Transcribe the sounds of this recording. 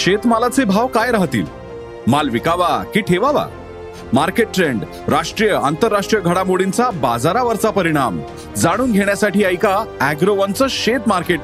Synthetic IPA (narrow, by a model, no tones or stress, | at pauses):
ɕet̪məlat͡sebʱaʋkajɾaɦt̪ḭːl | malʋikaʋakiːʈʰeʋaʋa̰ | maɾkeʈ̚ːɾeɳɖ | ɾaʂʈɾijəant̪əɾːaʂʈɾijəɡʱəɽamoɽint͡sabad͡zaɾaʋəɾt͡sapəɾiɽ̃am | d͡zaɽ̃uːnɡʱeɽjasaʈiːəjkaæɡɾoʋənt͡səːɕet̪maɾkeʈ